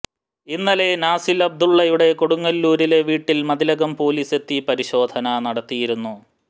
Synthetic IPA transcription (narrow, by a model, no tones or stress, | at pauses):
inːɐle̞naːsilɐb̚d̪uɭːɐjuɽe̞koɽuŋːɐlːuːɾile̞ʋiːʈːilmɐðilɐɣɐmpo̞ːliːse̞t̪ːipɐɾiɕo̞ːd̪ʱɐnɐnɐɽɐt̪ːijiɾunːu